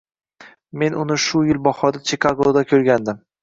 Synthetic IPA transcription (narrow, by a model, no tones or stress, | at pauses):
me̞nʊnɪʃʊjɪlbɒχɒd̪at͡ʃʰekʰaɡˠod̪akʲʰɵɾɡʲand̪ɪm